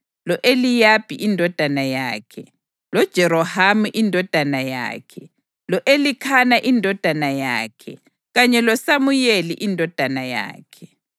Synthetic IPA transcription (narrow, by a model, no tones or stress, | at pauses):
lɔʔelijab̥ʱiʔindʱɔd̥ʱanaja̰ːkʰɛ | lɔd̥ʒ̥ʱɛɾɔhamuʔindʱɔd̥ʱanaja̰ːkʰɛ | lɔʔelikʰanaʔindʱɔd̥ʱanaja̰ːkʰɛ | ɣaɲɛlɔsamujelḭʔindʱɔd̥ʱanaja̰ːkʰɛ